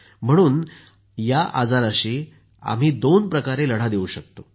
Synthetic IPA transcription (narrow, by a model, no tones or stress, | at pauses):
m̤əɽ̃uːn | jaʔad͡zaɾaɕiː | a̰m̤iːd̪onpɾəkaɾeləɽ̤ad̪euːɕək̚t̪o